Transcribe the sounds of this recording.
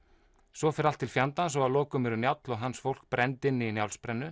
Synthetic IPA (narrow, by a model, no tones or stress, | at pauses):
sɔfɪɾalt̪ʰːɪlfjant̪ansɔɣaðlɔːkʏmɛɾʏnjawt̪lɔɣɦansfowl̥k̚pɾɛnt̪ɪnːinjawlspɾɛnːʏ